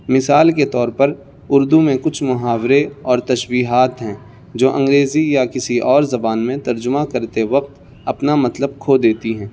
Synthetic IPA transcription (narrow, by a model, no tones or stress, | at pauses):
mɪsaːlket̪ɔːɾpɐɾ | ʊɾd̪umẽkʊt͡ʃʰmʊɦaːwɾeɔːɾt̪ɐʃwiːɦaːt̪ɦɛ̃ː | d͡ʒoːʔɐ̃ŋɡɾeːzijakɪsiʔɔːɾzɐbaːnmẽt̪ɐɾd͡ʒʊmakɐɾt̪eʋɐq̚t̪ | ɐpnamɐt̪ləb̚kʰoːd̪eːt̪iɦɛ̃ː